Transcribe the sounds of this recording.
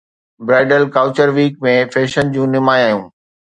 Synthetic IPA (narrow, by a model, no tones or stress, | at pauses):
bɾaːɖəlkaːʊt͡ɕəɾʋiːk̚mẽfeːʃənd͡ʑũːnɪmaːjaːjũː